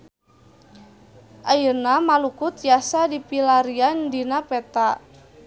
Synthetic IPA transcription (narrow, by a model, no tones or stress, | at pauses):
ʔajərnamalukʊt̪jasadipilaɾiandinapɛt̪a